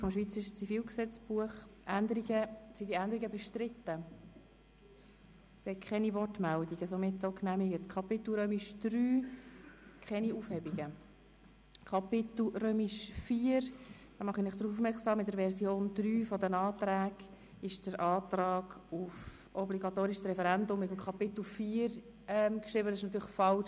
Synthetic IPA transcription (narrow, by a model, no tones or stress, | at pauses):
fɔmʃʋiːt͡səɾɪʃət͡sifiːlksɛt͡sb̥uəχʔænd̪əɾiɡəsidiænd̪əɾiɡəbɛʃtɾɪt̪ːə | sɛkʰχɛniʋɔrtmældiɡəsomɪtsoknæmiɡətkʰɑpɪt̪l̩ɾøːmiʃd̥ɾyː | kʰχɛniufhɛbiɡə | kʰɑpɪt̪l̩ɾøːmiʃfiːəɾd̥ɑmɑχinɪχd̥ɾufufmɛɾksɑːmːɪtdəɾvɛɾzjoːnd̪ɾyːfɔdənɑːt̪ɾæːɡ̥ | ɪʃd̥əɾʔɑːt̪ɾɑːɡ̥uf | ɔbliɡɑt̪oːɾɪʃəsrɛfɛɾændʊmːɪt̪əmkʰɑpɪt̪l̩fiːəɾ | ɛmkʃɾɪbədsɪʃnɑt̪yːɾlɪχfɑlʃ